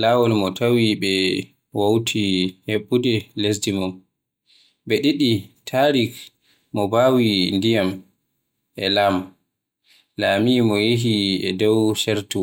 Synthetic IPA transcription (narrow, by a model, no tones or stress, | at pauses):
laːwɔlmɔtʰawiɓɛ | wawtʰiheɓːudɛles̬dimɔm | ɓɛɗiɗitʰaɾik | mɔbawindijam | ʔɛlam | laːmimɔjiɦiɛ̰dɔwʃɛɾtu